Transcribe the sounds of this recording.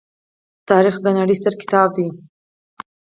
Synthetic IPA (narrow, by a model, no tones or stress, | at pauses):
t̪ɑɾixd̪ənaɽəjst̪əɾkɪ̥t̪ɑb̚d̪i